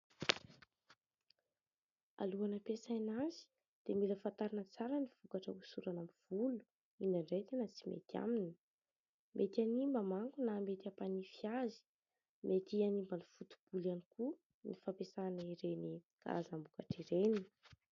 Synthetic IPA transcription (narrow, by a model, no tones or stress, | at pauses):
a̰luanəpesajnazi̥ | d̪̥emiləfant̪aɾinət͡saɾəniv̥ukaʈ͡ʂəusuɾanamiv̥ulu̥ | inaɳɖ͡ʐet̪anət͡simḛt̪ja̰minə̥ | mʔet̪animbamaŋkunaːmet̪iapanifiazi̥ | mʔet̪ianimbanifut̪u̥b̥ulaniku | nifapesanəiɾeni | ka̰azambukaʈ͡ʂiɾeni